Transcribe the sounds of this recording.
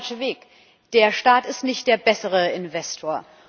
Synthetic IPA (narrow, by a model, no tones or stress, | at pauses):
ʃəveːk | d̥eːɐʃtaːtɪstnɪçt̚d̥eːɐbɛsəʁ̞əɪnvɛstʰoːɐ